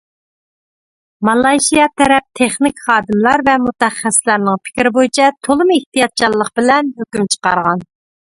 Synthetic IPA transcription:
mɑlˠɑjʃijɑt̪ʰɛɾɛp̚t̪ʰeχnɪkʲχɑːd̪ɨmlˠɑɾvɛmut̪ɛχːɛsɪlæɾnɪŋpʰɪ̥kʲɾɪbojit͡ʃʰɛt̪ʰolˠɨmeht̪ijɑt̪̚t͡ʃʰɑlˠːəq̚bɪlɛnɦøkʲymt͡ʃʰə̥qɑ̰ɾʁɑn

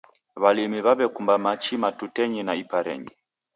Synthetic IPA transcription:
βalimiβaβɛkumbamat͡ʃimatutɛɲinaipaɾɛ̰ɲi

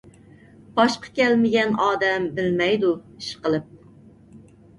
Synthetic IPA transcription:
b̥ɑʃqʰɑ̥kʲɛlmɪɡʲɛnɑːd̪ɛmbɪlmɛjd̪uiʃqəlˠɨp̚

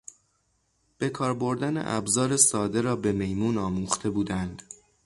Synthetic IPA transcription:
b̥e̞kʰɒːɾbo̞ɾd̪ænḛʔæ̰bzɒːɾe̞sɒːd̪e̞ɾɒːbe̞me̞jmuːnɒːmuːχt̪ʰe̞buːd̪ænd̪̥

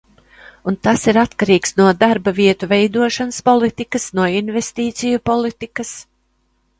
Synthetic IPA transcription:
unt̪asiɾat̪kaɾiːksnuɔd̪aɾbaviɛt̪uvɛjd̪uɔʃanəspɔlˠit̪ikəsnuɔinvest̪iːt̪sijupɔlˠit̪ikɐs

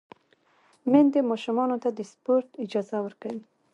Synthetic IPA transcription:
mend̪əmɑʃʊmɑnot̪ad̪əspoɾt̪ɪd͡ʒɑzawəɾkawi

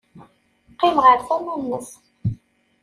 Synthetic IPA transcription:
qːɪmʁəɾθænænːəs

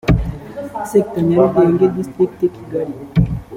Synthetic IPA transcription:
sek̚t̪anɛldeŋɡed̪ist̪ik̚t̪ekiɡali

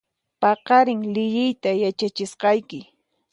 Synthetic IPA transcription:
pɑqɑɾɪŋlɪjɪjt̪ajat͡ʃat͡ʃɪsqɑjkɪ

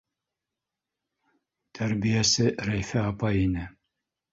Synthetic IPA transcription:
t̪ʰæɾbijæsɘɾæjfæɑpɑinɘ

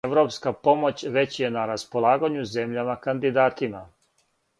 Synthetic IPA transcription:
eʋɾo̞ːpskapo̞mo̞t͡ɕʋe̞t͡ɕje̞naɾaspo̞lˠaːɡaɲuze̞mʎamakand̪id̪aːt̪ima

